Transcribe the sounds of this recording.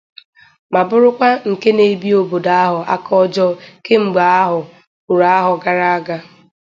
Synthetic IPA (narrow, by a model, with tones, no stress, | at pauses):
ma˨bʊ˦ɾʊ˦kʷa˦ŋ̩˨ke˦ne˨bi˦o˨bo˨da˨a˦ɦʊ˨ʔa̰˦kʰɔ˦d͡ʒɔ˦ke˦ŋ͡m̩˨ɡ͡ba˨a˦ɦʊ˨ | kʊ˨ɾa˨a˦ɦʊ˨ɡa˦ɾa˦a˦ɡa˦